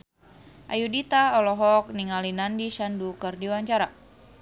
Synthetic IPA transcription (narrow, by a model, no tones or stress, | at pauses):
ʔa̰judit̪aɔlɔɦɔk̚niŋalinandiʃandukɨrdiwaɲt͡ʃaɾa